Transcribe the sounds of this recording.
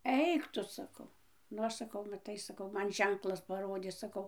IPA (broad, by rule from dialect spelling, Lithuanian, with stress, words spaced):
ˈɛɪk tʊ sɐˈkɐʊ nʊ ˈɐʃ sɐˈkɐʊ mɐˈtɐɪ sɐˈkɐʊ ˈmɐn ˈʒʲɛŋklˠɐs pɐˈroːdʲeː sɐˈkɐʊ